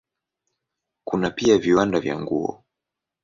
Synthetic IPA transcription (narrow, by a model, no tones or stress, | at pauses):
kunapiaviwandavja̰ŋɡuɔ̰